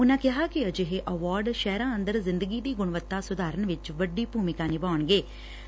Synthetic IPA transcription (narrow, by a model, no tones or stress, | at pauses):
ʊnãːkɪɦaːkɪəd͡ʒeɦeːʔəʋaːɾɖʃɛːɾãːə̃nd̪əɾzɪ̃nd̪əɡiːd̪iːɡʊɳ̃ʋət̪ːaːsʊd̪aːɾəɳʋɪt͡ʃʋəɖːiːpuːmɪkãːnɪbaːəɳɡeː